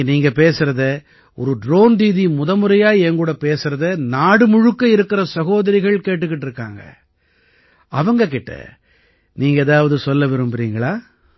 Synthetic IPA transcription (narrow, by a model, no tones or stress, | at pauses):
niːŋɡɐpeːsɯɾɐðɯ | ɔ̰ɾɯɖɾoːnd̪iːðimʊðɐmɯɾɐjaːɛŋɡuːɽɐpeːsɯɾɐðɯnaːɽɯmʊɻɯkːɐɪɾɯkːɪɾɐsɐɣoːðɐɾɪɣɐɭkeːʈːɯkːɪʈːɪɾɯkːaːŋɡɐ̰ | ɐʋɐŋɡɐk̬ːɪʈːɐ̰ | niːŋɡɐɛðaːʋɐðɯsɔlːɐʋɪɾɯmbɯɾiːŋɡɐɭaː